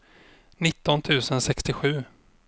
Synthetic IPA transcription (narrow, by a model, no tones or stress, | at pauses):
nɪt̪ːɔnt̪ʰʉ̟ːsənsɛkst̪ɪɧʉ̟ː